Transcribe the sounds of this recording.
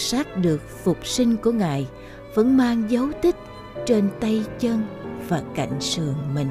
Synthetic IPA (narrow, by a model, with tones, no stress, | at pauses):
saː˦˥t̚ɗɨ˨˩ək̚fʊ˨˩k͡p̚si˧ŋ̟ku˧˩əŋa̰ː˨j | və̰˧˥nmaː˧ŋzə˨˦wt̪ʰï˦˥k̚ | t͡ɕe˧nt̪ə˧jt͡ɕə˧nvaː˨˩ka̰˧˩jŋ̟sɨ˨˩əŋmï˨˩ŋ